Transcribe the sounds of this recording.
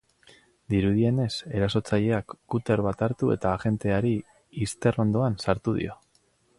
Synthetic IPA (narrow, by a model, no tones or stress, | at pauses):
d̪iɾuð̞ie̞ne̞se̞ɾaso̞t͡saʎe̞akːut̪e̞ɾβat̪aɾt̪ue̞̰t̪aːʝe̞nt̪e̞aɾiː | st̪e̞ro̞nd̪o̞ansaɾt̪uð̞ḭo̞